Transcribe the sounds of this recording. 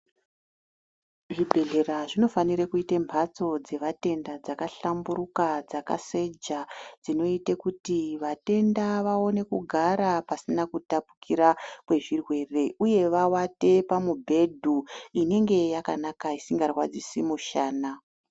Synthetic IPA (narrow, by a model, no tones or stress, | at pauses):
ʐibʱe̞ɮe̞raʐino̞faniɾekuitembʰʱat͡so̞d͡ze̞ʋate̞ndad͡zakaɬamburukad͡zaka̰se̞d͡ʒad͡zino̞itekutiʋate̞ndaʋao̞ne̞kuɡʱaɾapasinakutapu̥kʰiɾakwe̞ʐirwe̞re̞ʔuje̞ʋawate̞pamubʱe̞dʱuine̞ŋɡe̞jakanakaisiŋɡarwad͡zisimuʃaːna